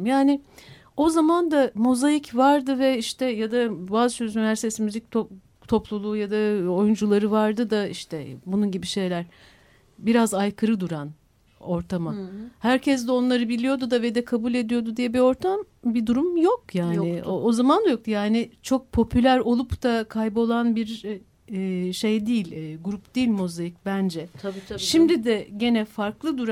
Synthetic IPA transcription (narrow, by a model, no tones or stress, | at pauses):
mjaːnɪ | o̞zamand̪amo̞zajicvaɾd̪ɯvɛiʃt̪ʰɛjad̪abaːzt͡ʃʰøzynivʲæɾst̪ʰesimyzʲic̚t̪ʰo | t̪ʰo̞plˠulˠuːjad̪ao̞jund͡ʒulˠaɾɯvaɾd̪ɯd̪aiʃt̪ʰɛbununɟibiʃe̞jlʲæɾ̥ | biɾazajkʰɯɾɯd̪uɾan | o̞ɾt̪ʰamahæɾcʰɛs̬d̪ɛo̞nlˠaɾɯbilʲijo̞d̪ud̪aved̪ɛkʰabulʲe̞d̪ijo̞d̪ud̪ijɛbio̞ɾt̪ʰam | bid̪uɾumjok̚jaːnɪoozamand̪ajo̞k̪̚jaːnɪt͡ʃʰo̞k̚pʰo̞pʰylʲæɾo̞lˠupt̪akʰajbo̞lˠanbiɾː | ʃe̞jd̪iːilʲːɡuɾupd̪̥iːlʲmozajic̚bænd͡ʒɛʃimd̪id̪ɛɟe̞nɛfaɾklˠɯd̪uɾa